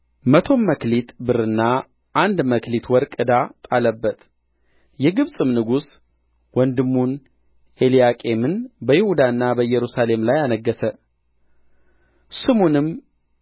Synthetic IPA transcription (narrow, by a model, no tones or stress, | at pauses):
mət̪ʰo̞mːəklit̪bɨɾɨnːa | ʔːnd̪məklit̪ʰwɔɾkʼɨd̪at̪ʼaləbːət̪ | jɛɡɨβsʼɨmnɨɡus | wɔnd̪ɨmːun | elijakʼe̞mɨnbəjɪhud̪anːabəjːɛɾusale̞mlajanəɡːəsə | sɨmonɨm